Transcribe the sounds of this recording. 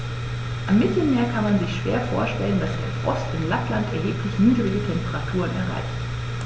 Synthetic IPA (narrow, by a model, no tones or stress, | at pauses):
ʔamːɪtl̩meːɐkʰanmanzɪçʃv̥ḛːɐfoːɐʃtɛləndasd̥ḛɐfʁɔstɪnlaplantɛɐɦeːpʰlɪçnyːdəʁɪɡətʰɛmpəʁatʰuːʁ̞ənɛ̰ɐʁa̰ɪçt